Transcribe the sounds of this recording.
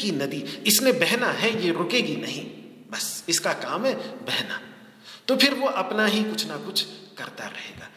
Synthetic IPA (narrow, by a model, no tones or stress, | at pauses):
kinɐd̪iɪsnẽbɛɦnaɦɛjeɾʊkeɡinɐɦĩ | bɐsɪskakaːmɦɛbɛɦna̰ | t̪opʰɪɾʋoʔɐpnaɦikʊt͡ʃʰnakʊt͡ʃʰkɐɾt̪a̰ɾɐɦḛːɡa̰ː